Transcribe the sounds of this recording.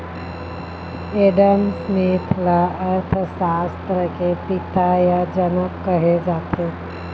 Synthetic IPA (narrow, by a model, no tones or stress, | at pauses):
eɖəmsnet̪ʰlaəɾt̪ʰəsast̪ɾəkepit̪ajad͡ʒənəkkəɦed͡ʒaːt̪ʰe